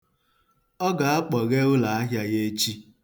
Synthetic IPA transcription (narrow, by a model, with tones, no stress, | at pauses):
ɔ˦ɡa˨a˦k͡pɔ˨ɣe˦ɣʊ˦la˨a˦ɦja˦ɣe˦t͡ʃi˦